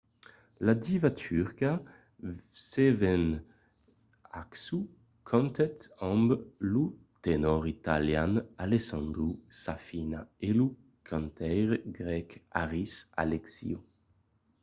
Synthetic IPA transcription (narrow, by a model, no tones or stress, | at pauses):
lad̪ivat̪ʰyʁka | sevɛn | a̰ksu | kʰɔ̃nt̪ɛt̪ɔ̃mblu | t̪enɔʁit̪aljanalesɔ̃nd̪ʁusafinaelu | kʰãnt̪ʰɛjʁɡʁɛka̰ʁisa̰leksḭu